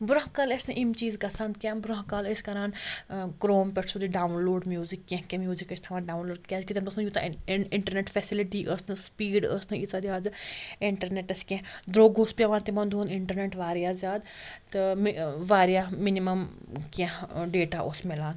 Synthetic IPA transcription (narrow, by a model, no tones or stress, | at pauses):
bʊɾaɦkalesnɨ̃ʔimt͡ʃiːzɡɐsʰaːnkʲjãːnbʊɾaɦkaːleskɐɾaːnkɾoːmpɛʈʰsud̪iɖaːunloːɖmjuːzikːẽkʲẽmjuːzikɐt͡ʃʰt̪ʰɐʋãːɖaːunloːɖkʲaːd͡ʒkit̪ɐnt̪osjut̪ɪɳʈəɾneʈfʰɛsiliʈiːʔəsnɨ̃spiːɖə̰st̪ʰɨ̃it͡sad̪iaːd͡ʒɪɳʈɐɾneʈɐskẽd̪ɾoːɡospʲjaʋãːnt̪imɐnd̪uːnɪɳʈɐɾneʈʋaːɾijaːzʲjaːd̪t̪ɨmʋaːɾijaːminimɐm | kãɖeːʈaːʔosmelaːn